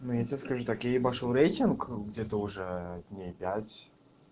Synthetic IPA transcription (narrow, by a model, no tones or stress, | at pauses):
nujatʲeskaʐut̪akjaibaʂolˠɾejtʲɪnkɡdʲet̪əʊʐɛdʲnʲejpʲæt͡sʲ